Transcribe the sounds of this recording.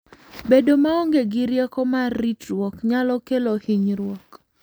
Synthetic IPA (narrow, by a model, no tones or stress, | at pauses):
bedomaɔŋɡeɡɪɾjɛkɔmarːitɾwɔkɲalɔkelohiɲɾwɔk